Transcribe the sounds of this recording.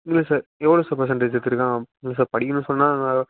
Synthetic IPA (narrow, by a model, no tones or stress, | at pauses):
ɪŋɡɪlɐsaːɾɛʋɭoːsaːɾp̬ɐɾs̬ɛ̃ɳʈeːd͡ʒt̪ːɪɾɯkːãːɪŋɡɪlɐs̬aːɾpɐɽɪkːɯnːɯ̃sɔnːaːɐŋɡɐ